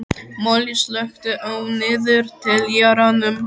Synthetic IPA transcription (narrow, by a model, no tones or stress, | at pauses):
mɔlislœxt̪ʏʔœwnɪːðʏɾt̪ʰɪljaɾanʏm